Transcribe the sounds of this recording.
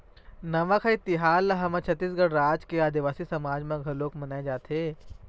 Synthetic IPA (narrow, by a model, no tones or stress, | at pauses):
nɐʋãkʰait̪iɦaːlɐɦɐmɐ̃t͡ʃʰɐt̪ːiːs̬ɡɐɽɾaːd͡ʒkeaːd̪iʋaːsisɐmaːd͡ʒmẽɡʱɐɾloːkmɐnaːẽd͡ʒaːt̪ʰeː